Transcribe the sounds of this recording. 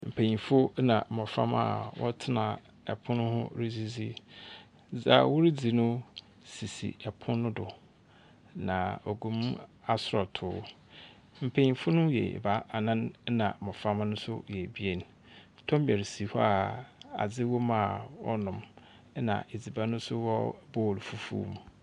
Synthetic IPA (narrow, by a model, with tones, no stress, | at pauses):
m̩˨pʰẽ˨ɲĩ˨fʊ˦nã̰˨mɔ˨fã̰˦ma̰˨wɔ̰˦tʰɪ˦nã˨ | ɛ̰˨pʰʊ̃˦nʊ̃˦hʊ̰̃˦ɾi˦d͡zi˦d͡zi˦ | d͡za̰˦˨wu˦ɾi˦d͡zi˨nʊ̃˦ | si˨sḭ˨ɛ˨pʰʊ̃˦nʊ̃˦dʊ˨ | nã̰˨o˨ɡũ˨m˦a˨sʊ˨ɾɔ˨tʰʊː˨˦ | m̩˨pʰẽ˨ɲĩ˨fʊ˦nʊ̃˦jɛ̰˨ba˦ʔa˨nã˦n˦nã̰˨mɔ̃˨fa˦m˦nʊ̃˦sʊ̰˦jɛ˨bi˦e˦˨n˨˦ | tʰɔ̃˦m˦bɛ˨ɾi˨si˨hɔ˦a˨a̰˨d͡zɪ˦wɔ˦mã˦˨wɔ̰˦nʊ̃˨m˦ | nã̰˨ʔe˨d͡zi˨ba˦nʊ̃˦sʊ˦wɔ˦bo˦˨lfu˦fṵː˦m